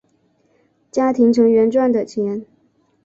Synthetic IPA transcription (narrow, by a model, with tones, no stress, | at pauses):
t͡ɕja˥t̪ʰi˧˥ŋt͡sʰɤ˧˥ŋɥɛ˧˥nʈ͡ʂwa˥˩nd̪ə˨˩t͡ɕʰjɛ˧˥n